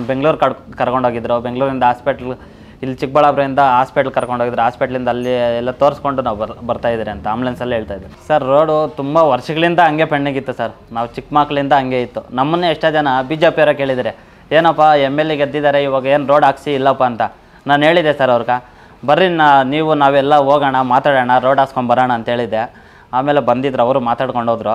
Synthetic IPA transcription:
be̞ŋɡɭuːɾkɐkɐɾkoɳɖʱoːɡid̪ɐɾubeŋɡɭuːɾind̪ɐɦaːspeʈɐl | ilːit͡ʃik̚bɐɭaːbɾɐʋind̪ɐɦaːspeʈɐlkɐɾkoɳɖoɡid̪ɾuɦaːspeʈɐɭind̪ɐːlːiɛlːɐt̪oːɾsko̞ɳɖunaːʋɐbɐɾt̪aːjd̪iɾiɐnt̪ɐɐmblensɐlːɦe̞ːɭt̪aːjd̪iɾisɐɾːoːɖut̪umbɐʋɐɾʂɐɡɐɭind̪ɐɐŋɡe̞pʰeɳɖiŋɡit̪ːusɐɾ | naːʋut͡ʃikmaːkɐɭind̪ɐːŋɡe̞it̪ːunɐmːɐnːeeʂʈɐd͡ʒɐnɐbiːd͡ʒeːpiɐɾɐke̞ːɭid̪ɐɾe | e̞ːnɐpːaemːelːiɡed̪ːid̪aːɾe̞iʋaːɡɐe̞ːnɾo̞ːɖaːksiːlːɐːpːaːnt̪ɐ | naːnɦe̞ːɭid̪esɐɾɐʋɾɡa | bɐɾːinnaniːʋunaːʋɛlːɐoːɡaːɳɐmaːt̪aːɽaːɳɐɾoːɖaːskoɳbɐɾaːɳɐːnt̪ɐɦe̞ːɭid̪ːe | aːmeːlebɐnd̪id̪ɾɐʋɐɾumaːt̪aːɽko̞ɳɖoːd̪ɾo

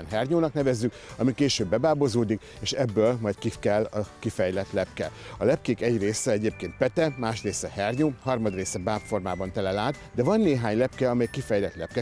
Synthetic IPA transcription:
nɦɛrɲoːnɒkn̪ɛvɛzːykɒmikeːʃøːbːɛbaːbozoːd̪ik | eːʃɛbːøːlmɒjt̪kifkɛlːɒkifɛjlɛt̪lɛpkɛ̰ɒlɛp̚keːkɛɟreːsɛɛɟeːp̚keːnt̪̚pɛt̪ɛmaːʃreːsɛhɛrɲoːhɒrmɒd̪reːsɛbaːpformaːbɒnt̪ɛlɛlaːt̪d̪ɛvɒnːeːɦaːɲlɛpkɛɒmɛjkifɛjlɛt̪lɛ̰p̚kɛ

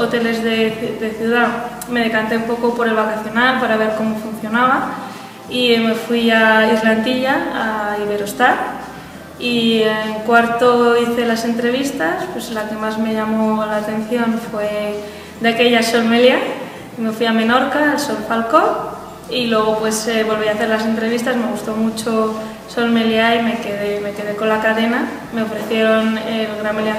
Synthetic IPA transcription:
o̞t̪e̞le̞zðed̪e̞θjuð̞a | me̞ð̞e̞kant̪e̞umpo̞kopo̞ɾe̞lβakaθjo̞nalpaɾaβ̞e̞ɾko̞mo̞fun̟θjo̞naβ̞a | ime̞fwializland̪iʎaːiβ̞e̞ɾost̪at | ieŋkwaɾt̪oiθe̞lase̞nt̪ɾe̞β̞ist̪aspwe̞zlake̞mazme̞ʎamo̞laːt̪e̞n̟θjo̞nfwe̞ | d̪eake̞ʎaso̞lmelja | ime̞fwiamẽ̞no̞ɾkaelsolfalko̞ | ilwe̞ɣ̞o̞pwe̞seβo̞lβiaθe̞ɾlase̞nt̪ɾe̞βist̪azme̞ɣ̞ust̪omut͡ʃo | so̞lme̞ljaime̞keðeme̞ke̞ð̞e̞ko̞nlakaðena | me̞o̞fɾe̞θje̞ɾo̞nelɣɾamelja

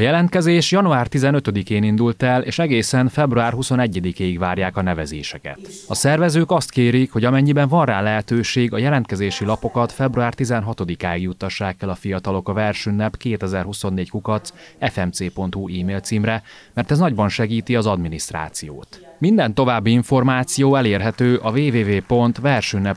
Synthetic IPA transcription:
ɒjɛlɛnt̪̚kɛzeːʃjɒnuaːrt̪izɛnøt̪ø̞d̪ikeːnind̪ult̪ɛleːʃɛɡeːsɛnfɛbruaːrɦuso̞nɛɟːɛd̪ikeːiɡvaːrjaːkɒnɛvɛzeːʃɛkɛ̰t̪ɒsɛrvɛzøːkɒst̪keːɾikho̞ɟɒmɛɲːibɛɱvɒnraːlɛɦɛt̪øːʃeːɡɒjɛlɛnt̪kɛzeːʃilɒpo̞kɒt̪fɛbruaːrt̪izɛnɦɒt̪o̞d̪ikaːiɡjut̪ːɒʃːaːkːɛlɒfijɒt̪ɒlo̞kɒvɛrʃynːɛpkeːt̪ɛzɛrɦuso̞nːeːckukɒt̪sɛfɛmt̪seːpo̞nt̪huʔiːmeːlt̪siːmrɛ | mɛrt̪ɛznɒɟbɒnʃɛɡiːt̪iɒzɒd̪minist̪ra̰ːt̪sijo̰ːt̪mind̪ɛn̪t̪o̞vaːbːiiɱfo̞rmaːt̪sijoːɛleːrɦɛt̪øːʔɒveːveːveːpo̞nt̪vɛrʃynːɛp

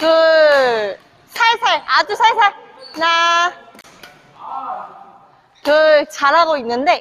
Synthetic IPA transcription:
kɯ | sʰaɭsʰaɭad͡ʑusʰaɭsʰaɭna | kɯt͡ɕaɾɦaɡoinːɯnde̞

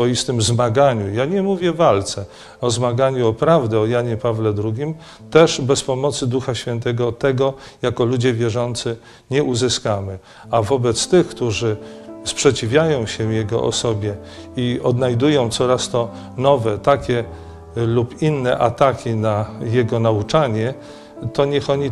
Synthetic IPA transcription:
ɔjist̪ɘmzmaɡaɲujaɲɛmuvʲjɛvalt̪sɛ | ɔzmaɡaɲuɔpɾavd̪ɛɔjaɲɛpavlɛd̪ɾuɡʲim | t̪ɛʐbɛspɔmɔt̪sɘd̪uxaɕfʲjɛnt̪ɛɡɔt̪ɛɡɔ | jakɔlud͡ʑɛvʲjɛʐɔnt̪sɘ | ɲɛʔuzɘskamɘ | avɔbɛt̪st̪ɘxkt̪uʐɘspʂɛt͡ɕivʲjajɔ̃w̃ɕɛvjɛɡɔ̰ʔɔ̰sɔbʲjɛ | iɔd̪najd̪ujɔ̃w̃t̪sɔɾast̪ɔ | nɔvɛt̪akʲɛ | lupinːɛʔat̪akʲinajɛɡɔnaut͡ʂaɲɛ | t̪ɔɲɛxɔɲi

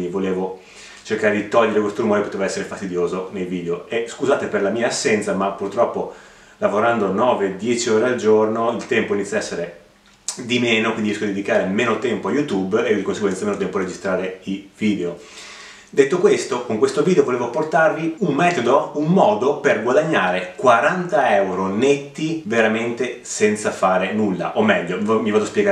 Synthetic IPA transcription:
ivoleːvo | t͡ʃerkaːɾed̪it̪ɔʎːeɾekwest̪oɾumoːɾepot̪eːvaɛsːeɾefast̪id̪joːzonejviːd̪eoeskuzaːt̪eperlamiːaːsːɛnt̪samapːurt̪ɾɔpːo | lavoɾand̪onɔːved̪jɛt͡ʃioːɾeald͡ʒornoilt̪ɛmpoinit̪sjaɛsːeɾe | d̪imeːnokwind̪iɛskod̪id̪ed̪ikaːɾemeːnot̪ɛmpoajut̪ubed̪ikonseɡwɛnt̪sameːnot̪ɛmpored͡ʒist̪ɾaːɾeiviːd̪eo | d̪et̪ːokwest̪okoŋkwest̪oviːd̪eovoleːvoport̪arviummɛːt̪od̪oummɔːd̪operɡwad̪aɲːaːɾekwaɾant̪aɛwɾonet̪ːiveɾament̪esɛnt̪safaːɾenulːa̰ʔomɛʎːomivaːd̪oaspjɛɡa

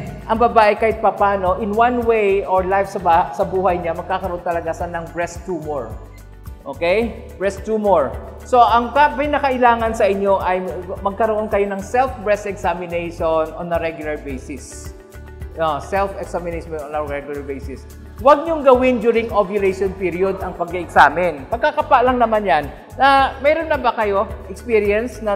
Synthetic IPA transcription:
ʔɐŋbɐbaːʔɪkaːhɪt̪̚pɐpaːno̞ʔɪnwanwejoɹlajfsɐbasɐbuːhɐjɲamɐɡ̚kakɐɾoont̪ɐlɐɡasɐnɐŋbɹɛst̪ːuːmoɹ | ʔoːkej | b̥ɹɛst̪ːuːmoɹso̞ʔɐŋkapɪnɐkɐʔɪlaːŋɐnsɐʔɪɲːo̞ʔɐjmɐɡ̚kɐɾoʔo̞nkɐjo̞nɐŋsɛlfbɹɛsɛksamɪnejʃononɐɾɛɡjʊlɐɹbejsɪs | osɛlfɛksamɪnejʃɛnonɐɹɛɡjʊlɐɹbejsɪs | wɐɡ̚ɲʊŋɡɐwɪnd͡ʒuːɾɪŋʔobjʊlɛjʃonpiɾiod̪ɐŋpɐɡ̚ɪʔɛksaːmɪnpɐɡ̚kakɐpaʔlɐŋnɐmanjanː | ɐmɛːɾo̞nːɐbɐkɐjo̞ʔɛkspiɾiɛnsnɐ

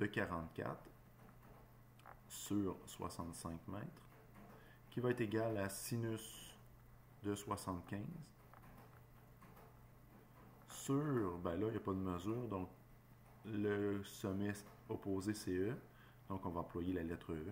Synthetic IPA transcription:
d̪̥əkʲaʁɑ̃t̪̚kʲa̰t̪χ | syːʁswa̰sɑ̃t̪sɛ̃kmɛːt̪χ | kʲivaɛt̪eɡʲalasinys | d̪əswasɑ̃ːt̪̚kʲɛ̃z | syːʁbɛ̃lʌijapʌd̪əməzyːʁd̪ɔ̃k̚ | ləsɔmɛs | ɔpoːzeseø | d̪̥ɔ̃kɔ̃vaɑ̃pʰlwajelalɛt̪ʁø

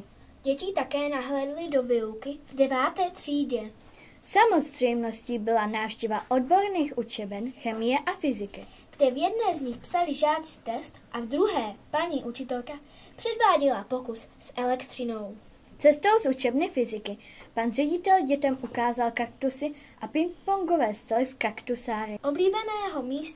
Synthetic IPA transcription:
ɟ̥ɛcɪt̪akɛːnaɦlɛːdlɪdo̞vɪukɪvdɛvaːt̪ɛːt̪r̥iːɟɛ | samo̞zr̝̥ɛjmno̞sciːbɪlanaːfʃcɛvaʔo̞d̚bo̞ɾniːxʔut͡ʃɛbɛnxɛmɪjɛʔafɪzɪkɪ | ɡ̥dɛvjɛdnɛːzɲɪxpsalɪʒaːt̪t͡si̥t̪ɛst̪ʔavd̪ɾuɦɛːpaɲiːʔut͡ʃɪt̪ɛlka | pr̥ɛdvaːɟɛlapokussʔɛlɛkt̪r̥ɪno̞w | t͡sɛst̪owsut͡ʃɛbnɪfɪzɪkɪ | panr̝ɛɟɪt̪ɛlɟɛt̪ɛmʔukaːzalkakt̪usɪ | ʔapɪŋk̚poŋɡovɛːst̪olɪfkakt̪usaːɾɪʔobliːbɛnɛːɦomiːst̪

